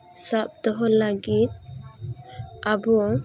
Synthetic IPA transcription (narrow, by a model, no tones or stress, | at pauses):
sap̚d̪ɔɦɔlaɡit̪̚ | abɔ